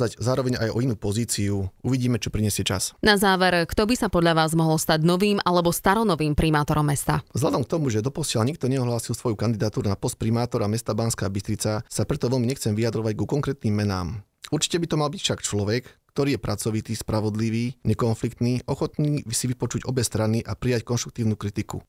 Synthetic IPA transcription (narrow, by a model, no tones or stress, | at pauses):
aɟzaːɾɔʋɛɲajɔinuːpɔziːt͡siuuʋiɟiːmɛt͡ʃɔpɾiɲɛsɪɛt͡ʃa̰snazaːʋɛɾkt̪ɔbisapɔd̪ʎaʋaːzmɔɦɔlst̪aɟnɔʋiːmʔalɛbɔst̪aɾɔnɔʋiːmpɾimaːt̪ɔɾɔmːɛst̪a̰zɦlad̪ɔmk̚t̪ɔmuʒɛd̪ɔpɔsɪalɲik̚t̪ɔɲɛɔɦlaːsilsʋɔjukand̪id̪aːt̪uːɾunapɔst̪̚pɾimaːt̪ɔɾamɛst̪abanskaːbist̪ɾit͡sasapɾɛt̪ɔʋɛlmiɲɛxt͡sɛmʋijad̪ɾɔʋaɟɡukɔŋkɾɛːt̪niːmːɛna̰ːm | uɾt͡ʃi̥cɛbit̪ɔmalbicfʃakt͡ʃlɔʋɛkkt̪ɔɾiːjɛpɾʔat͡sɔʋit̪iːspɾʔaʋɔd̪liʋiːɲɛkɔnflikt̪niːʔɔxɔt̪niːsiʋipɔt͡ʃuɟɔbɛst̪ɾaniʔapɾijackɔnʃt̪ɾuk̚t̪iːʊnuːkɾit̪ikṵ